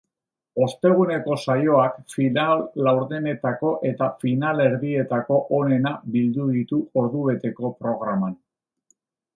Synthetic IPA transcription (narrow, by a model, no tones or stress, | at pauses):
o̞st̪e̞ɣ̞une̞ko̞sajo̞akfinalːawɾðene̞t̪ako̞ʔe̞t̪afinale̞ɾðie̞t̪ako̞ʔone̞nabild̪uðit̪uo̞ɾðuβ̞e̞t̪e̞ko̞pɾo̞ɣ̞ɾaman